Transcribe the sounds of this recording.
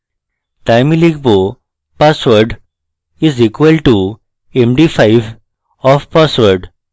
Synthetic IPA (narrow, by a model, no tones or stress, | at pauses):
ʈaɪmiliɡ̚bo | pasʋəɾɖ | izikʋəlʈu | emɖifaɪʋ | ɔfpasʋəɾɖ